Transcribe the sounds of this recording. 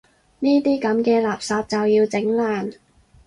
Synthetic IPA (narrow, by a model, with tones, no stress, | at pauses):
niː˥t̪iː˥kɐ˨˥mkɛː˧laː˨˩p̚saː˨p̚t͡sɐ˨wjiː˧wt͡sɪ˨˥ŋlaː˨n